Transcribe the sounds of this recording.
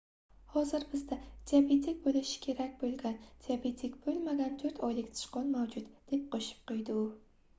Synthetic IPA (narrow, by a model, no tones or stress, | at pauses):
hɒzɪɾbɪzd̪ad̪̥iabet̪ʰik̚ʲbolɪʃɪ̥kʲʰe̞ɾakʲbolˠɡʲand̪̥iabet̪ʰikʲb̥olˠmaɡʲant̪ʰɵɾt̪ʰɒjlɪkʲt̪ʰɪ̥ʃqɒnmawd͡ʒʊt̪d̪̥e̞p̚qʰoʃɪ̥p̚qojd̪ɪʊ